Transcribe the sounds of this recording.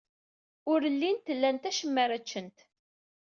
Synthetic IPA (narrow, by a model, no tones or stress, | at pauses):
ʊɾəlːint̪əlːænt̪æʃəmːæɾæt͡ʃːənt̪